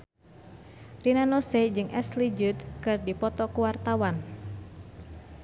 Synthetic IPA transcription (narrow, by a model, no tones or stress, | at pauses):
rinanosed͡ʒɨŋʔɛslid͡ʒut̪̚kɨrdipɔt̪ɔkuwart̪awan